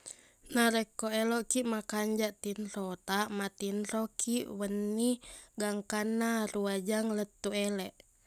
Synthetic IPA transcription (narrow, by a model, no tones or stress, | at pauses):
naɾɛkːoɛlɔʔkiʔmakaɲd͡ʒaʔt̪inɾɔt̪aʔmat̪inɾɔkiʔwənːiɡaŋkanːaɾuad͡ʒaŋlət̪ːuɛlɛʔ